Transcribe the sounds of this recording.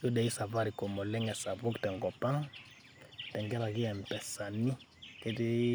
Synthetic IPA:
jo˦dɛ˨i˦sa˨va˦ɾi˨ko˨mo˨lɛ˦ŋɛ˨sa˨βu˦ktɛ˨ŋɡɔ˨pa˦ŋ | tɛ˨ŋɡɛ˦ɾa˨ki˦ɛ˨m˨pɛ˨sa˨ni˦ | ke˦ti˦

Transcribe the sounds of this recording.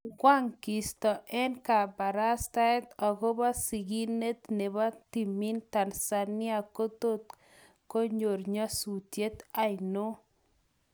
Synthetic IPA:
ɡwa˦ŋki˨st̪ɔ˨ʔɛ˦nka˨ba˨ɾa˦st̪a˦ɛ˦t̪ɔ˨ɡo˦ba˦si˨ɡi˦ne˦t̪ne˨ba˦t̪i˨mi˦nt̪a˨nsa˨nɪ˦a˦ko˦t̪o˦t̪̚ | ko˦ɲo˨ɾɲa˦su˨t̪je˦t̪a˦jno˦

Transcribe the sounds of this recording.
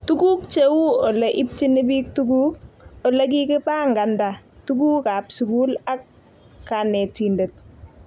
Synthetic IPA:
tu˦ɡuː˦kt͡ʃe˦wu˦ɔ˨le˦ʔi˦p̚t͡ʃi˦nɪ˦biː˦k̚tuɡuː˦k̚ɔ˨le˦k̬i˦kɪ˦paː˦ŋɡa˨nda˨tu˦ɡuː˦ka˨psu˨ɡu˦la˦kː | a˨nɛ˨ti˨nde˨t̚

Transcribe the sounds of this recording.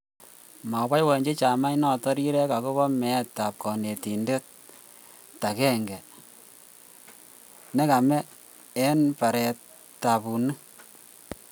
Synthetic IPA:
ma˨wa˦jwɔ˨ɲd͡ʒe˦t͡ʃa˨ma˦inɔ˨tɔ˦ɾi˦ɾɛ˦ka˨ko˦βɔ˦mɛ˨tːa˨p̚kɔ˨ne˨ti˨nde˦t̚ | ta˨kɛ˦ŋɡɛ˨ | nɛ˦ka˨mɛ˦ | ɛ˦npa˨ɾɛ˨t | tːa˨bu˨nɨ˦

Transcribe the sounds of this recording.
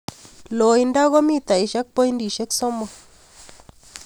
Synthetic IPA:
lo˨i˧nda˦ɣo˦mi˦˨t̪a˨i˨ʃa˦k̚po˦i˦ndi˨ʃe˦kso˦mɔ˨

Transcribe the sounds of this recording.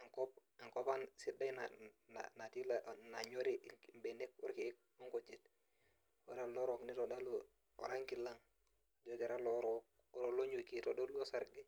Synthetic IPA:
a˨ŋko˦p̚ | a˨ŋko˦pa˦nsi˦da˦jnana̰na˨ti˦lana˨ɲo˦ɾi˦mbe˨ne˦k̚ṵ˦ɾki˦k̚ | o˦ŋko˨t͡ʃi˦t̚ | wa̰˨ɾa˦lo˦ɾo˦kni˦to˨da˦lu˦ | o̰˨ɾa˦ŋki˨lːa˦ŋ | o˨d͡ʒo˦ɡe˨ɾa˦lo˦ɾo˦k̚ | o˨ɾo˨lo˦ɲo˨ki˦to˨do˦lɡo˦sa˦ɾɡi˦

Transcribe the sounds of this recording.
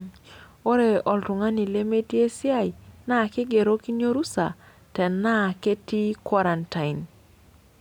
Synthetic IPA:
o˦ɾe˨ɔ˨ltʊ˨ŋa˦ni˨le˦me˦tje˦sɪ˦a˦jna˦˨kɪ˦ɡe˨ɾo˦ki˦ɲo˦ɾu˦sa˨ | tɛ˨nːa˦˨ke˦ti˦kwa˦ɾa˨nta˨ɪ˨n

